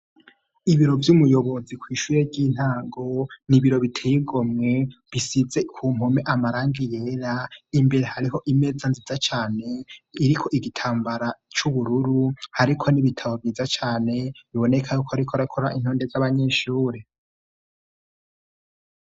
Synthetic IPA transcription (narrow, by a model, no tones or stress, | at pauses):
iβiɾo̞vjumujo̞βo̞zikwiːʃuːɾebɟiːn̥haːŋɡoniβiɾo̞βitʰejiɡo̞mŋe̞βisize̞kʰuːmhomeʔamaɾaːŋɡijeːɾaimbe̞ɾe̞haɾiɦo̞ʔime̞d͡zanzizat͡ʃaːne̞iɾikʰo̞ʔiɡitʰaːmbaɾat͡ʃuβuɾuɾuhaɾikʰo̞niβitʰaβo̞bjiːzat͡ʃaːne̞βiβo̞ne̞kʰajukʰoaɾikʰoɾakʰoɾaʔin̥hoːnde̞zaβaɲeʃuːɾe